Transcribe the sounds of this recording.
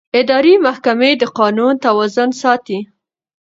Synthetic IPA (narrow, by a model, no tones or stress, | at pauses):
ɪd̪ɑɾimahkamed̪əqɑnunt̪awɑzʊnsɑt̪i